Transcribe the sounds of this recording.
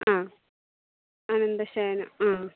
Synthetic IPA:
ãː | ɐnɐnd̪ɐɕaːnɐaː

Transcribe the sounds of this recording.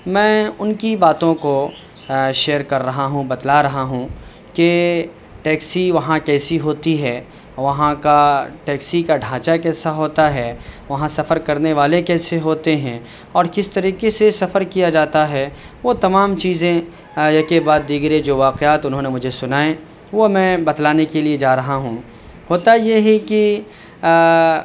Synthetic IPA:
mɛ̃ːʊnkibaːt̪õko | ʃeːəɾkɐɾːɐɦaɦũbɐd̪laɾɐɦaɦũ | ke | ʈɛːksiʋɐɦãkɛːsiɦoːt̪iɦɛː | ʋɐɦãkaʈɛːksikaɖʱãːt͡ʃakɛːsaɦoːt̪aɦɛːʋɐɦãsɐfəɾkɐɾneʋaːlekɛːseɦoːt̪eɦɛ̃ | ɔːɾkɪst̪ɐɾiːkesesɐfəɾkijad͡ʒaːt̪aɦɛ | ʋot̪ɐmaːmt͡ʃiːzẽ | jɐɦkebaːd̪ːiːɡɾed͡ʒoːʋaːqeaːt̪ʊnɦõːnemʊd͡ʒʱesʊnaːẽ | ʋomɛ̃ːbɐd̪laːnekelied͡ʒaːɾɐɦaɦũː | ɦoːt̪ajeɦiki

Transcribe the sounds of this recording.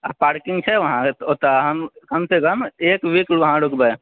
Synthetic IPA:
apaːɾkɪ̃ŋɡt͡ʃʰɛʋɐɦãɦoːt̪aɦɐmkɐmsekəmeːkʋiːkʋɐɦãɖʊkbə

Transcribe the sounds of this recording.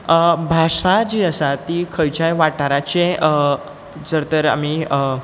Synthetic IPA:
bʱaʂad͡ʑiːəsat̪ikʰəjt͡ɕajʋaʈaɾat͡ɕeə | d͡zəɾt̪əɾa̰miə

